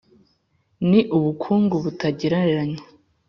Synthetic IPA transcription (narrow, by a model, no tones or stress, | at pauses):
niʔuβukʰuːŋɡuβutaɟiɾaɾaɲa